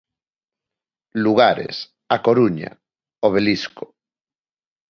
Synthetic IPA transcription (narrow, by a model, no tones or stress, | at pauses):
luɣ̞aɾḛs | akoɾuɲa̰ | oβ̞elisko̥